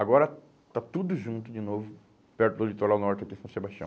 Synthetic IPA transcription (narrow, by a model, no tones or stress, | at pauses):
aɡɔɾɐ | t̪at̪ud̪ʊʒũt̪ʊd͡ʒɪnovʊ | pɛɾt̪ʊd̪ʊed͡ʒit̪oɾawnɔɾt͡ʃɪakisɐ̃w̃sebaʃiɐ̃